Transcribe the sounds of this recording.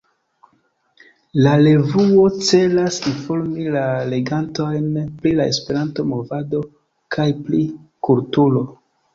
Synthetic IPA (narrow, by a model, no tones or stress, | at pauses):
lale̞vuo̞t͡se̞lasinfo̞ɾmilale̞ɡanto̞jnpɾilae̞spe̞ɾanto̞mo̞vado̞ | kʰajplikultulo̞